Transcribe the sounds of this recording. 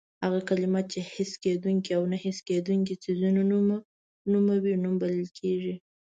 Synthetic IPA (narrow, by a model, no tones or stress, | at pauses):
haɣakalɪmat̪̚t͡ʃehɪsked̪uŋkiawnahɪsked̪uŋk̬isizunonm | numawinumbalɪlkʰeʒi